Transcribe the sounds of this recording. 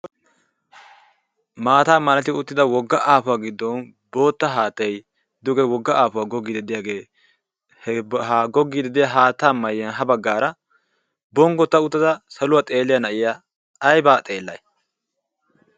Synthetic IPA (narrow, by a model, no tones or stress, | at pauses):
maːt̪aːmːɐnɐt̪ɪʊt̪ːɪd̪ɐwɔɡːɐʔaːfʊwaːɡɪd̪ːɔn | bo̞ːt̪ːɐɦaːt̪ːɛj | d̪ʊɡɛwɔɡːɐʔaːfʊwaːɡɔɡːid̪ɛd̪ɪjaːɡe̞ː | hɛaɡɔɡːid̪ɛd̪ɪjaɦaːt̪ːaːmːɐjːɐnɦɐbɐɡːaːɾɐ | bɔŋɡɔt̪ːɐʊt̪ːɐd̪ɐsɐlʊwaːt̪ʼe̞ːlːɪjɐnɐʔɪjaː | jbaːt̪ʼeːlːɐ̰j